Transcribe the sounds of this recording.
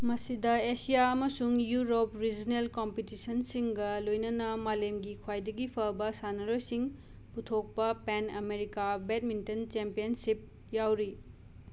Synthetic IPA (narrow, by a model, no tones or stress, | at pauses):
mɐsidɐesijaɐmɐsuŋjuɾopɾid͡ʒnelkompitisɐnsiŋɡɐlojnɐnɐmalemɡikʰwajdɐɡipʰɐbɐsanɐɾojsiŋ | putʰok̚pɐpenɐmeɾikabet̚mintɐnt͡ʃempijɐnsip̚ | jawɾi